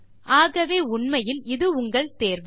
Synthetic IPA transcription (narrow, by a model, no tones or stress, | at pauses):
ʔaːɣɐʋeːʊɳmɐjɪlɪðɯʊŋɡɐɭt̪eːɾʋɯ